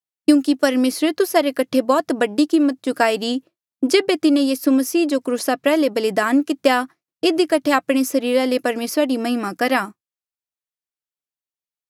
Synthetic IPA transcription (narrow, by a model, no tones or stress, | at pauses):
kjũːkipɐɾmeːsɾet̪ʊsaɾekɐʈʰebɔːt̪bɐɖikimːət̪̚t͡ʃʊkaːiɾi | d͡ʒeːbet̪ɪnẽjiːsumɐsiːd͡ʒokɾuːsapɛːɦlebɐlɪd̪aːnkɪt̪eja | ɪd̪ikɐʈʰeaːpɽ̃esɐɾiːɾalepɐɾmeːsɾaɾimɐɦɪmakɐɾaː